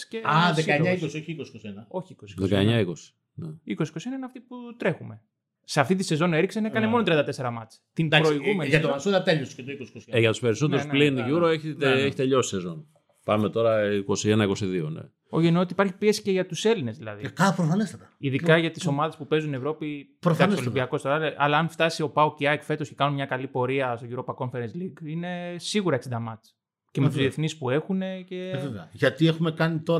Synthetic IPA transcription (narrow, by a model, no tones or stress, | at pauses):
sceɐðekɐeɲɐikosio̞çiikosi̥kosienɐo̞çiikosi̥kðoekɐeɲɐiko̞si̥ | neiko̞si̥ko̞sienɐineɐft̪iput̪ɾe̞xume̞ | seɐft̪it̪ise̞zo̞ne̞ɾiksenekɐne̞mo̞not̪ɾiɐnd̪ɐt̪ese̞ɾɐmɐt͡si̥t̪inpɾoiɣumenʝɐt̪omɐsoɾɐt̪eʎosket̪oikosi̥kosiʝɐt̪u̥spe̞ɾiso̞t̪eɾusplinʝuɾoeçit̪eeçi̥t̪eʎo̞si̥sezo̞n | pɐme̞t̪o̞ɾɐiko̞sienɐiko̞siðio̞̰nḛ | oʝenot̪ipɐɾçipie̞si̥ceʝɐt̪use̞line̞zðilɐ̰ðiiɐpɾofɐnest̪ɐt̪ɐiðikɐʝɐt̪iso̞mɐðe̞spupe̞zunie̞vɾo̞pi | pɾosolibiɐko̞st̪oɾɐlɐ̰lɐːnft̪ɐsio̞pɐuciɐekfe̞t̪oscekɐnunmɲɐkɐlipo̞ɾiɐst̪o̞ʝuɾopɐko̞ɱfeɾensliɡine̞siɣuɾɐeksid̪ɐmɐt͡s | cemet̪uzðie̞θnispue̞xune̞ce̞ʝɐt̪iexumekɐnit̪o